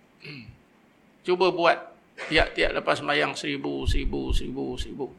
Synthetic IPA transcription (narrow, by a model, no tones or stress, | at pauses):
t͡ʃubəbuat̪̚ | piaʔt̪ia̰ʔləpasːmajaŋsəɾibusəɾibusəɾibusəɾibu